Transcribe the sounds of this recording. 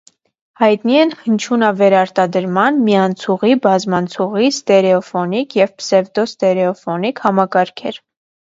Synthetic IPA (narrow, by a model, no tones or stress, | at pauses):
hɑjt̪niɛnhənt͡ʃʰunɑvɛɾɑɾt̪ɑd̪əɾmɑnmiɑnt͡sʰuʁibɑzmɑnt͡sʰuʁist̪ɛɾɛɔfɔnikʰjɛvpsɛvd̪ɔst̪ɛɾɛɔfɔnikhɑmɑkɑɾkʰɛɾ